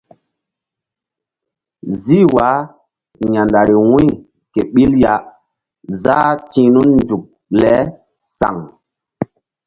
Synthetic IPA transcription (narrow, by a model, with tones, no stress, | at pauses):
zi˦wa˨˦ | ɲa˨nda˨ɾi˨wũ˦j | ke˨ɓi˦lja˨ | za˦tĩ˨nu˦nnd͡ʒu˨k̚ | lɛ˦ | sa̰˨ŋ